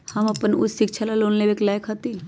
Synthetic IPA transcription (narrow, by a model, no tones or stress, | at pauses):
hɐmɐpənʊ̰ssɪkt͡ʃʰalaloːnlebeklaːjkʰɦɐt̪i